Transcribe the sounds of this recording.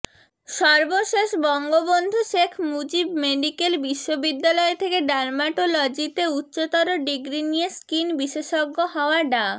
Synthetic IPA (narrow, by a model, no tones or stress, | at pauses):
ʃɔɾboʃeʃbɔŋɡobond̪ʱoʃekʰmud͡ʑibmeɖikelbiʃːobid̪ːalɔet̪ʰekeɖaɾmaʈolod͡ʑit̪eutːɕot̪ɔɾoɖiɡɾinijeskinbiʃeʃoɡːoɦɔoaɖa